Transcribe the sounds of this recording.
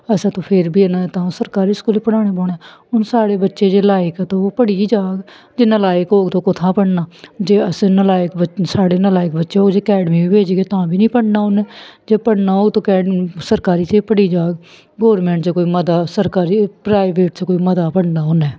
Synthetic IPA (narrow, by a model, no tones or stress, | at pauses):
əsãːt̪õːpʰɪɾbʱiːənãːt̪ãːsəɾkaːɾiːskuːlepəɽaːɽ̃eːbɔːɽeː | ʊnsaːɽeːbətːʃeːd͡ʒeːlaːɪkːt̪õoːpəɽiːd͡ʒaːɡ | d͡ʒeːnəlaːɪkɦoːɡt̪õːkʊt̪ʰãːpəɽnaːd͡ʒeːəsnəlaːɪkbəsaːɽeːnəlaːɪkbətːʃeːoːɡd͡ʒeːkɛːɖmiːbiːbeːd͡ʒɡeːt̪ãːbʱiːnĩːpəɽnaːʊnɛːd͡ʒeːpəɽnaːoːɡt̪õːkɛːɖsəɾkaːɾiːt̪eːpəɽiːd͡ʒaːɡ | ɡɔːɾmẽːɳʈt͡ʃːkoːiːməd̪aːsəɾkaːɾiːpɾaːɪʋeːʈt͡ʃːkoːiːməd̪aːpəɽnaːʊnɛː